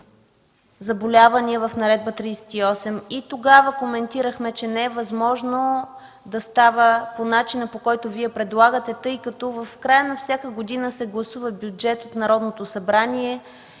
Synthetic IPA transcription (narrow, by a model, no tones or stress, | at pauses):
zɐbolʲavɐniɛvɐfn̪ɐɾɛd̪̚bət̪ɾijsɛ̥t̪iɔsɛmit̪oɡavəkomɛnt̪iɾəxmɛt͡ʃɛnɛɛvɐzmɔʒno | d̪ɐst̪avəponat͡ʃinəpokɔjt̪oviɛpɾɛd̪lˠaɡət̪ɛt̪ɤjkɐt̪ɔvɐfkɾajənɐfsʲjakəɡod̪inəsɛɡlˠɐsuvəbʲjud͡ʒɛt̪ot̪nɐɾɔd̪not̪osɐbɾaniɛ